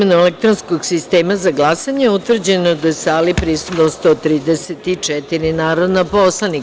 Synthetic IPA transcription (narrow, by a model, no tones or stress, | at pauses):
menuelek̚t̪ɾonskoɡsist̪eːmazaɡlˠasaɲeut̪ʋvr̩d͡ʑenod̪asaːlipɾist̪ud̪nost̪ot̪ɾiːd̪eset̪it͡ʂɛt̪iɾinaːɾod̪napo̞slˠani